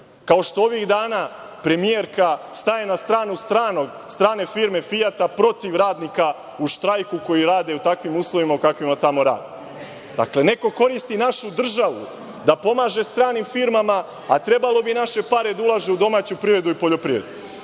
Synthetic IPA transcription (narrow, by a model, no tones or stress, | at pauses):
kao̞ʃt̪o̞o̞ʋiɣd̪aːna | pɾe̞mije̞ɾkast̪aje̞nast̪ɾaːnust̪ɾaːnoɡ | st̪ɾaːne̞fiːɾme̞fijat̪apɾo̞t̪iʋɾaːd̪nika | uʃt̪ɾajkuko̞jiɾaːd̪e̞ut̪akʋimuːslˠoʋimaukakʋimat̪amo̞ɾa̰ːd̪e | d̪a̰kle̞ne̞ko̞ko̞ɾist̪inaʃud̪r̩ʒaʋu | d̪apo̞maːʒe̞st̪ɾaːnimfiɾmama | at̪ɾe̞balo̞binaʃe̞paɾe̞d̪aulˠaːʒe̞ud̪o̞maːt͡ɕupɾivɾe̞d̪uipo̞ʎo̞pɾiʋɾḛd̪u